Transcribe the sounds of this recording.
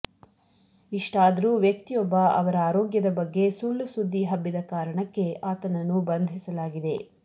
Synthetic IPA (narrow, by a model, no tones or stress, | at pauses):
iʂʈaːd̪ɐɾuːʋjɐk̚t̪ijɔbːɐɐ̰ʋɐɾɐaːɾɔːɡjɐd̪ɐbɐɡːe̞suːlːusud̪ːiɦɐbːid̪ɐkaːɾɐɳɐkːe̞aːt̪ɐnɐnːubɐnd̪ʱisɐlaːɡid̪e̞